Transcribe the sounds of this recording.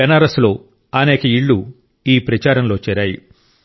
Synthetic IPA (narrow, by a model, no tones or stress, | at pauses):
ɐnaːɾɐslo̞ː | ɐneːkɐiɭːu | iːpɾɐt͡ʃaːɾɐmlo̞ːt͡ʃɛːɾaːjḭ